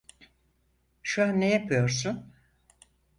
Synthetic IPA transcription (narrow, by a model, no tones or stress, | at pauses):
ʃuɦanːejapʰɯjo̞ɾs̬un